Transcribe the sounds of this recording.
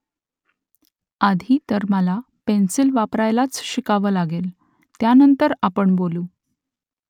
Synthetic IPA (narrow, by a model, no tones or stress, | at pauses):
ad̪ʱiːt̪əɾməla | pensilʋapɾajlat͡sɕikaʋəːlaɡel | t̪janənt̪əɾapəɳboluː